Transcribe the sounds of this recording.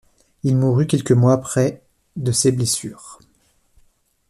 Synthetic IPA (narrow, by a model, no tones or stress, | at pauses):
ilmuʁykʲɛlkəmwaːpχɛ | d̪əseblesyːʁ